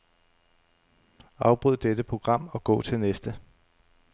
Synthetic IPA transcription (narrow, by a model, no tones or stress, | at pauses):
ɑ̈ʊb̥ʁyð̰ˠd̥ed̥əpʰʁo̝ɡ̥ʁɑ̈m̰ɒ̽ɡ̥ɔ̰̽ːt͡sʰe̝lnesd̥ə